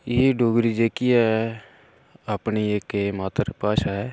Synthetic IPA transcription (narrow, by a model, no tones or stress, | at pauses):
eɖoːɡɾid͡ʒeːkiɛ | apniekːmaːt̪əɾpaːʃaːɦɛː